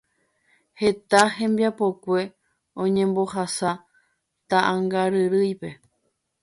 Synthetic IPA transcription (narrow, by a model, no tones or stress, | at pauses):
he̞t̪ahẽ̞mbiapo̞kʷe̞ | õ̞ɲẽ̞mbo̞hasa | t̪aʔãŋɡaɾɨɾɨjpe̞